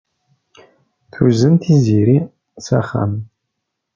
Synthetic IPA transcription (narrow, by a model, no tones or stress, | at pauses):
t̪ʰuzɨnt̪ʰiziːɾi | sɐχɐ̰m